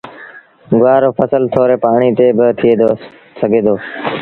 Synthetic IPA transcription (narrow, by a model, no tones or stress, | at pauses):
ɡʊʋaːɾoːpʰəsəlt̪ʰoːɾeːpaːɳ̃iːt̪eːbɪt̪ʰɪeːd̪o | səɡʱeːd̪oː